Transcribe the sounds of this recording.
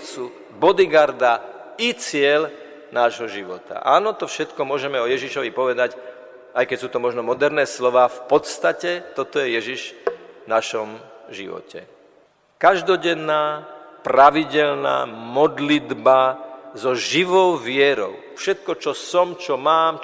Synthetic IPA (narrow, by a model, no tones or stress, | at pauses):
su | bɔd̪iɡaɾd̪a | it͡sɪɛl | naːʒɦɔʒiʋɔt̪a̰ʔaːnɔt̪ɔfʃɛt̪kɔmʊɔʒɛmɛɔjɛʒiʃɔʋipɔʋɛd̪ac | ajkɛcsuːt̪ɔmɔʒnɔmɔd̪ɛɾnɛːslɔʋaːfpɔt̪st̪acɛt̪ɔt̪ɔjɛjɛʒiʒnaʃɔmʒḭʋɔ̰cʰɛ̰ | kaʒd̪ɔɟɛnːaːpɾaʋiɟɛlna̰ːmɔd̪lid̪bazɔʒiʋɔʊʋɪɛɾɔ̰ʊfʃɛt̪̚kɔt͡ʃɔsɔmt͡ʃɔmaːm